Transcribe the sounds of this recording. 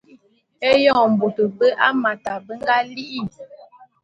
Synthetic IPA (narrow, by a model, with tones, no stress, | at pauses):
e˦jɔ̃˦˨m̩˨bo˨tə˨bə˦ʔa˦ma˨ta˨bə˦ŋ˦ɡa˦li˦ʔi˦˨